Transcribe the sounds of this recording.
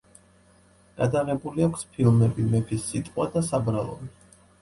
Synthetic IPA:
ɡ̥ad̪aʁɛbuliakʷʰspʰilˠmɛbimɛpʰisːit̪ʼqʼwad̪asabɾalˠɔ̰bi

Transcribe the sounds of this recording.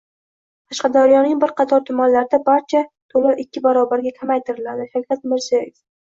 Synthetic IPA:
t̪ʰɑʃqɑd̪awjɒnɪŋbɪɾqʰɑt̪ʰɒɾt̪ʰʊmanlaɾd̪abaɾt͡ʃʰat̪ʰolaɾʔɪkʲːɪbaɾɒbaɾɡʲakʲʰamajt̪ʰɪɾɪlad̪ɪʃakʲɾat̪̚mɪɾz̥ijajef

